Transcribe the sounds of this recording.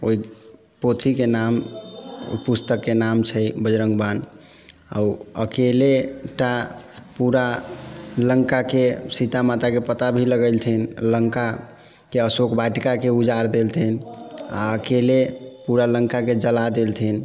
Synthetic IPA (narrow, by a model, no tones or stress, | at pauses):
oi | pot̪ʰikenam | pust̪əkːenamt͡ʃʰəbəd͡ʒɾəŋɡban | a̰uəkeleʈapuɾa | ləŋkakesit̪amat̪akepət̪abʱiləɡəlt̪ʰinləŋka | keəsokbaʈkakeud͡ʒaɾd̪elt̪ʰina̰əkelepuɾaləŋkaked͡ʒəlad̪elt̪ʰin